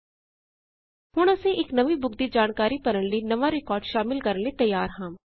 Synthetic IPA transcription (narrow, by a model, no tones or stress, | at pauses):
hʊɽ̃əsẽʔɪknəʋiːbʊɡd̪iːd͡ʒaːnkaːɾiːpəɾənləiːnəʋãːɾɪkɔːɾɖʃaːmɪlkəɾənleːt̪əjːaːɾɦãː